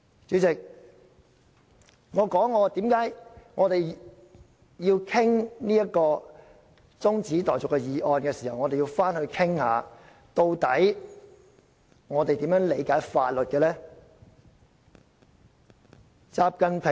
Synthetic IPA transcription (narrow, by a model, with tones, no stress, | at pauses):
t͡syː˨˥t͡sɪ˨k̚ | ŋɔː˨˧kɔː˨˥ŋːɔː˨˧t̪iː˨˥mkaː˨˥jŋɔː˨˧t̪e˨j | jiː˧wkʰɪ˥ŋniː˥jɐ˥t̚kɔː˧ | t͡sʊ˥ŋt͡siː˨˥t̪ɔː˨˩jt͡sʊ˨kːɛː˧jiː˨˧ʔɔː˧nkɛː˧siː˨˩hɐ˨wŋɔː˨˧t̪e˨ji˧wfaː˥nhɵ˧ɥkʰɪ˥ŋha̰ː˨˧ | t̪o˧wt̪ɐ̰˨˥j | ŋɔː˨˧t̪e˨jt̪i˨˥mjœː˨˥ŋle˨˧jkaː˨˥jfaː˧t̚lɵ˨t̚kɛː˧lɛː˥ | t͡saː˧p̚kɐ˧npʰɪ˨